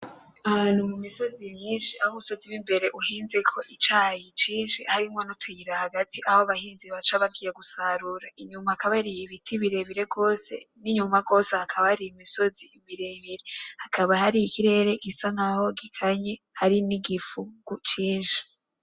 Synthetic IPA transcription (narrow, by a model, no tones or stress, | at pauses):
aanumumiso̞zimɲiːnʃiahumuso̞ziwimbe̞ɾe̞ʔuhiːnze̞kʰo̞ʔit͡ʃaːjit͡ʃiːnʃihaɾimŋonutʰujiɾahaɡatʰiʔahoaβahiːnziβat͡ʃaβaɡijeɡusaɾuɾaiɲumakaβaɾijiβitiβiɾe̞βiɾe̞ɡo̞ːse̞̰niɲumaɡo̞ːsehakʰaβahaɾijimiso̞ziimiɾe̞βiɾe̞hakʰaβahaɾiikiɾe̞ɾe̞ɡisaŋaho̞ɡikʰaɲe | haɾiniɡifuɡ̥ut͡ʃiːnʃi̥